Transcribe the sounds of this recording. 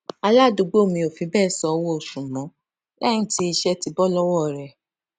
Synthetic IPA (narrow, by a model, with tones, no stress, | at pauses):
a˧la˦˨do˨˧ɡ͡bo˦o˦˨mĩ˧˦o˨fĩ˨˦bɛː˦˨sɔ˨˧wɔ˦o˨ʃũ˨mɔ̃˨˦ | lɛ˦nĩ˦ti˦i˧ʃɛ˦ti˨˧bɔ˦lɔ˦wɔ˦˨ɾɛ˨